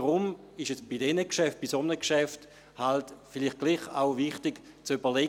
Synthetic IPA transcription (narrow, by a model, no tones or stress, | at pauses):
ʁʊm | ɪʃɛsb̥idɛnəkʃɛft̚b̥isomnəkʃɛft | haltfiliχt̚ɡ̥liːχa̰ʊviχtiɡ | t͡sybɐlɛ